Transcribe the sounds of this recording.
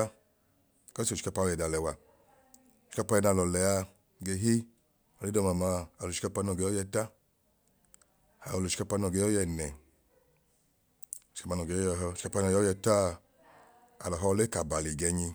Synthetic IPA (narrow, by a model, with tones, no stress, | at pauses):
kɔ˦si˦o˨ʃi̥˦ka˧pa˧˦ɔ˧ɛ˨da˧˨lɛ˨wa˧˨ | ʃi̥˧˦ka˧pa˧jɛ˧na˧˨lɔ˨lɛ˨a˧ | ɡe˧ɦi˦ | ɔ˧le˦dɔ˧ma˨ma˧a˨lo˨i̥˦ka˧pa˧nɔ˧˨ɡe˧˦ɔ˦jɛ˧ta˦ | a˨o˧lo˨ʃi̥˧ka˧pa˧nɔ˧˨ɡe˧jɔ˦jɛ˧˨nɛ˨ | o˨ʃi̥˧ka˧pa˧nɔ˧˨ɡe˧˨jɔ˦ɛ˧ɦɔ˧˨ʃi̥˦ka˧pa˧nɔ˧˨˦ɔ˦jɛ˧ta˦ | a̰˨lɔ˨ɦɔ˧le˦ka˨ba˨li˨ɡɛ˧ɲi˧